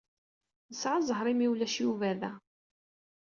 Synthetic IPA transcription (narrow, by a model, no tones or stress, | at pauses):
əsʕazˤəɦɾˤimiwlæʃjuvæðæ